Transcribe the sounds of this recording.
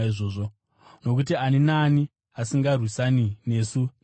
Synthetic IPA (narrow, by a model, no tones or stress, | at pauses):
iʐoːʐo̞ | no̞k̬ut̬ianinaːni | asiŋɡarwisanine̞ːsu